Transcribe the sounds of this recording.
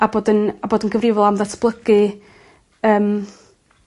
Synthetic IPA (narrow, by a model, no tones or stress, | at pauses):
aboːdənaboːdənɡəvrɪvɔlˠamðatʰb̥lˠəɡ̥ɨ | əːm